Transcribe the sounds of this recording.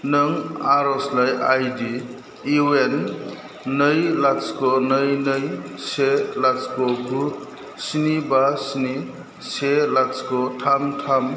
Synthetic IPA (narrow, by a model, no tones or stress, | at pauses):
nɯŋaɾɔslajajdi | iwenː | əjlaskonəjnəjselat͡skoɡut̚ | sinibasini | selat͡skotʰamtʰam